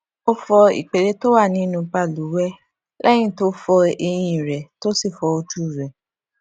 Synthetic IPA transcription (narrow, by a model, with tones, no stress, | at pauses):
o˦fɔ˧ḭ˨k͡pe˨ɾe˨˦to˦wa˦˨nĩ˨˦nũ˧k͡pa˦˨lu˨˦wɛ˦ | lɛ˦j̃ĩ˦˨to˦fɔ˧e˧j̃ĩ˨ɾɛ˨to˦si˦˨fɔ˧o˧tu˦˨ɾɛ˨